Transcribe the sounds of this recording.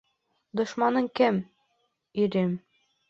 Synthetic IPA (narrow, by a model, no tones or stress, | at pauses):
d̪ŏʃmɑnɤŋkɘm | iɾɘm